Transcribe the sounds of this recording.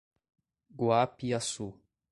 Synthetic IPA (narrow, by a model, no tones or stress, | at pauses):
ɡwapiasu